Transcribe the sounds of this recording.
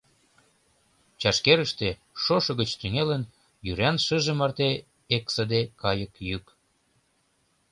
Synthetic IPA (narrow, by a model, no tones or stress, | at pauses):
t͡ɕɑʃkeɾəʃt̪e | ʃoʃɤ̆ɣət͡ɕt̪yŋelən | jyɾænʃəʒĕmɑrt̪e | eksə̆d̪ekɑjəkjyk